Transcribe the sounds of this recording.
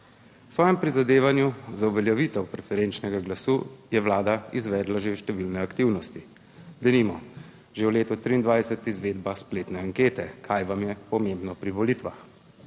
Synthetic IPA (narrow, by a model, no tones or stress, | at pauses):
sʋɔːjɛmpɾizad̪eːʋanjuzauʋɛljɛʋit̪ɛwpɾɛfɛɾent͡ʃnɛɡaɡlasuːjɛʋlaːd̪aizʋɛːd̪laʒewʃt̪ɛʋilnɛakt̪iwnɔst̪i | d̪ɛnimɔ | ʒewleːt̪ɔt̪ɾiːnd̪ʋaːjsɛt̪izʋeːd̪baspleːt̪nɛaŋkeːt̪ɛkʰaːjʋamjɛpɔmembnɔpɾiʋɔlit̪ʋax